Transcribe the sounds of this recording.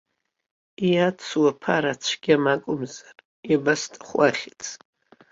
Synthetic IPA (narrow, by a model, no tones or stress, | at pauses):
iat͡sʰwapʰaɾat͡ʃʷʰɡʲamakʷʼʊmzar | ibastʼaχʷaχʲit͡sʰʼ